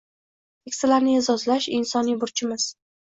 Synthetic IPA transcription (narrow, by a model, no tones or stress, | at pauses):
ekʲsɪlaɾnɪɪzɒzlaʃɪnsɒnijbʊɾt͡ʃʰɪmɪz̥